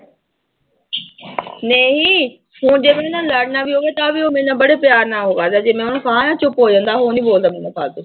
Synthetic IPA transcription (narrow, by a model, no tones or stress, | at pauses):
neːɦiː | hũːd͡ʒeːʋẽnãːləɽnaːʋiːɦoːʋeːt̪aːʋiːoːmẽːnãːbəɽeːpjaːɾnaːɦoːʋaːd̪aːd͡ʒeːmẽːʊñːkəɦãːjãːt͡ʃʊpɦoːd͡ʒãːnd̪aːɦoːnĩːboːld̪aːmẽːnãːpʰa̰ːld̪eː